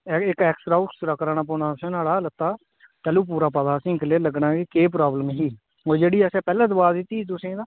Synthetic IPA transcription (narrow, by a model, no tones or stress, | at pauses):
ɪkɛːksʈɾaːʊksɾaːkəɾaːnaːp̬ɔːnaːsɛ̃ːnaːɽaːlət̪ːaː | t̪əluːp̬uːɾaːpad̪aːsɪ̃ːŋkəleːləɡnaːɡekeːp̬ɾaːbləmɦiː | oːd͡ʒeːɽiːɛsɛ̃ːpɛːlɛ̃ːd̪əbaːd̪ɪt̪ːiːd̪ʊsẽːd̪aː